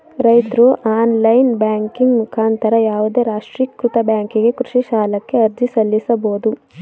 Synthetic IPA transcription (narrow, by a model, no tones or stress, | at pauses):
ɾɐjt̪ɾuʔaːnlɐjnbjaːŋkiŋɡmukʰaːnt̪ɐɾɐjaːʋud̪e̞ːɾaːʂʈɾikɾut̪ɐbjaːŋkiɡe̞kɾuʂiʃaːlɐkːe̞ɐɾd͡ʒisɐlːisɐboːd̪u